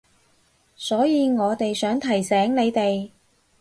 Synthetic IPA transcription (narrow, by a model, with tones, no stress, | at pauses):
sɔː˨˥jiː˨˧ŋɔː˨˧t̪e˨jsœː˨˥ŋt̪ʰɐ˨˩jsɛː˨˥ŋne˨˧jt̪e˨j